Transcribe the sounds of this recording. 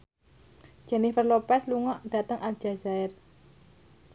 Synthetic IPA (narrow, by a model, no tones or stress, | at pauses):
d̥ʒ̥ɛnifərlopɛsluŋɔʔd̥a̤t̪əŋʔald̥ʒ̥a̤zaɛr